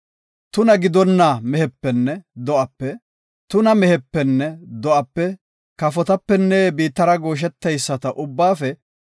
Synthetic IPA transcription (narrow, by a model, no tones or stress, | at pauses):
t̪ʊnɐɡɪd̪ɔnːaːmɛhɛpːɛnːɛd̪ɔʔɐpːɛ | t̪ʊnɐmɛhɛpːɛnːɛd̪ɔʔɐpːɛ | kɐfɔt̪ɐpːɛnːɛːbiːt̪ːɐɾɐɡo̞ːʃ̬ɛt̪ːɐjsːɐt̪ɐʔʊbːaːfɛ